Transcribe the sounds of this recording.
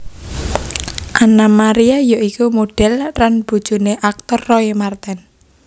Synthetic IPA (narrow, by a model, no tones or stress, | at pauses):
ʔanamaɾiajoʔikumoɖ̥ɛ̤lranb̥ṳd̥ʒ̥ṳneʔak̚t̪ɔrːɔimart̪ɛn